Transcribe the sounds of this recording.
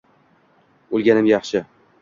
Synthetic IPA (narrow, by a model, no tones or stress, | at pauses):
ʊlˠɡʲanɪmjɑχʃɪ